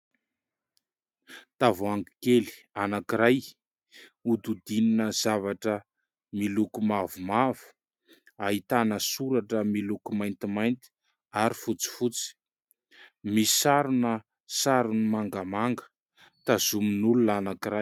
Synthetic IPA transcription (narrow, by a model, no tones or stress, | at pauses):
t̪avaŋɡikeli̥ | anakiɾaj | ud̪ud̪ininəzavaʈ͡ʂə | milukumavumavu̥ | aɦit̪anəsuɾaʈ͡ʂəmilukumajnt̪imajnt̪i̥ | aɾifut͡si̥fut͡si̥ | misi̥saɾunə | saɾunimaŋɡamaŋɡə̥ | t̪azuminulunanakiɾaj